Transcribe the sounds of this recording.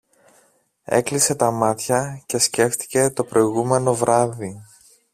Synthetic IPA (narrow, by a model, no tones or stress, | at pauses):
ḛklise̞t̪ɐmɐt̪çɐce̞sce̞ft̪i̥ce̞t̪o̞pɾo̞iɣume̞no̞vɾɐði